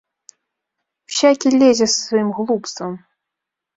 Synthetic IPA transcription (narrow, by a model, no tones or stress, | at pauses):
wsʲakʲilʲɛzʲɛssvɐjimɣlˠupst̪vɐm